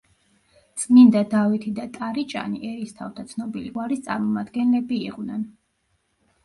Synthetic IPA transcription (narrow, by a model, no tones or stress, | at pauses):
t̪sʼmind̪ad̪avit̪ʰid̪at̪ʼaɾit͡ʃʼa̰niʔɛɾist̪ʰaft̪ʰat̪sʰnɔbiliɡwaɾist̪sʼa̰ɾmɔmad̪ɡɛnlɛbiːqʼvnɛn